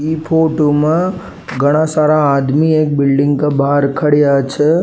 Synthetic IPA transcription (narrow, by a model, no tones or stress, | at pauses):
ipʰoʈomã | ɡʱəɽ̃ãsaɾaːd̪miek̚bɪlɖɪŋɡkabʱaɾkʰəɽjat͡ʃʰe